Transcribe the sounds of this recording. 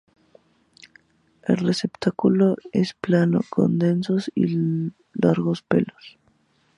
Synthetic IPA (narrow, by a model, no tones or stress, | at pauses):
e̞̰lresept̪akuloesplano̰ko̰nd̪e̞nsosḭ | laɾɣospḛlos